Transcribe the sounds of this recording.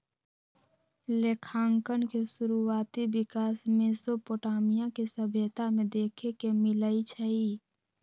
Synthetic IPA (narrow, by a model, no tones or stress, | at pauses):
leːkʰãːŋkənkesʊɾuaːt̪ibɪkaːsmẽsopoːʈaːmijãkesəbʱjət̪amẽd̪eːkʰekemɪləit͡ʃʰəi